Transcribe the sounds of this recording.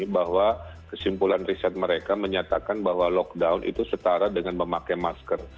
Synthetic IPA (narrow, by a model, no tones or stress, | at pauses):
bahwakəsimpulanrisɛt̪̚məɾekaməɲat̪akanbaɦwalɔk̚daunʔḭt̪usət̪aɾadəŋanməmakajmaskər